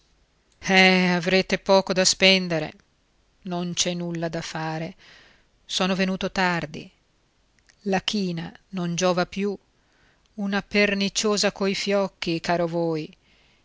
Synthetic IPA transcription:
ɛavɾeːt̪epɔːkod̪aspɛnd̪eɾḛ | nont͡ʃɛnːulːad̪afaːɾe | soːnovenuːt̪ot̪ard̪ḭ | lak̟iːnanond͡ʒoːvapju | unapernit͡ʃoːzakojfjɔkːikaːɾovoːj

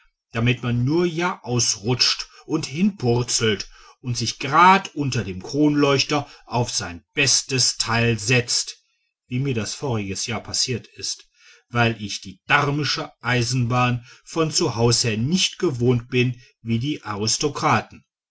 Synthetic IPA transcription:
d̥amɪtmanːuːɐjaːʔaʊsʁʊt͡ʃtʔʊnthɪnpʰʊʁt͡sl̩t | ʔʊntz̥ɪçɡ̥ʁaːtʔʊntɐdeːmkʁ̥oːnlɔʏçtɐʔaʊfz̥aɪnb̥ɛstəstʰaɪlzɛt͡st | viːmiːɐdasfoːʁ̞ɪɡəsjaːɐpʰasiːɐtɪst | v̥aɪlʔɪçd̥iːd̥aʁmɪʃəʔaɪzn̩baːnfɔnt͡suhaʊsheːɐnɪçtɡ̥əvoːnt̚b̥ɪn | viːdiːʔaʁɪstokʁ̥aːtn̩

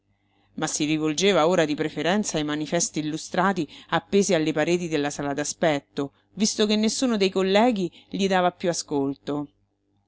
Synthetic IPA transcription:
masːiɾivold͡ʒeːvaoːɾad̪ipɾefeɾɛnt̪sajmanifɛst̪iːlːust̪ɾaːt̪iapːeːzealːepaɾeːt̪̬id̪elːasaːlad̪aspɛt̪ːo | vist̪okenːesːuːnod̪ejkolːɛːɡ̟iʎid̪aːvapːjuaskolt̪o

